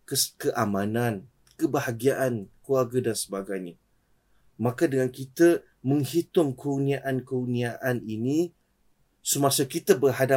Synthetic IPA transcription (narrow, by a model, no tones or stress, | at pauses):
kəkəʔamãnãn | kəbahaɡiaʔankluarɡədansəbaɡajɲə | mãkadəŋankit̪ə | mə̃ŋhit̪ʊŋkurniaʔankurniaʔaninĩ | səmãsəkit̪əbərhada